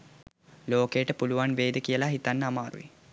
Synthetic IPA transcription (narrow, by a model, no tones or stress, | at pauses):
loːkeːʈəpuluʋanʋeːd̪əkijəlaɦit̪anːəamaːɾṵʋḭ